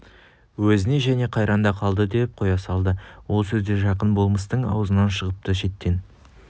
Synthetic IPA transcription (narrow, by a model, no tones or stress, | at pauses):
wɵzɪne̞ʒæne̞qʰɑjɾʔɑnd̪ɑqʰɑlˠd̪əd̪e̞p̚qʰo̞jɑsɑlˠd̪əwo̞lˠsɵzd̪e̞ʒɑqənbo̞lˠməs̬t̪əɴɑ̰wzənɑnʃəʁəp̚t̪əʃe̞t̪ːe̞n